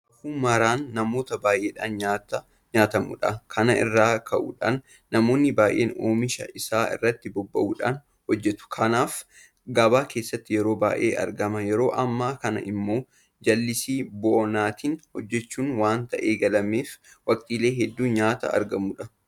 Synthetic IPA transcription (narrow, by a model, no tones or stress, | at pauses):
ɐfuːmɐɾaːnːɐmo̞ːt̪ɐbaːʔe̞ːᶑaːnɲat̪ | ɲaːt̪ɐmṵᶑɐkʰɐnɐʔɪ̰rːaːkʰɐʔṵːᶑa̰ːnː | ɐmo̞ːnːɪbaːjʔḛːnoːmɪʃɐ̰ʔɪsaːɪ̰rːɐt̪ːɪbɔbːɐ̰ʔuːᶑaːn | hɔd͡ʒːɛt̪ʊ̥kʰɐnaːf | ɡɐbaːke̞ːsːɐt̪ːɪjɛɾo̞ːba̰ːjʔḛːʔɐ̰ɾɡɐmɐjɛɾo̞ːʔɐmːaːkɐnɐ̰ʔɪmːo̞ː | d͡ʒɐlːɪsiːbɔʔɔnaːt̪iːnhɔd͡ʒːɛt͡ʃːuːnwaːnt̪ɐʔeːɡɐlɐmeːf | wɐkʼt̪ʼiːle̞ːɦɛd̪ːuːɲaːt̪ɐ̰ɐ̰ɾɡɐmuᶑɐ